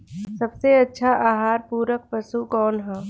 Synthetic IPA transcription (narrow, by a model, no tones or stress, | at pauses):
sɐbseɐtːʃʰaʔaːɦaːɾpuːɾək̚pɐsukɔːnɦɛ̃ː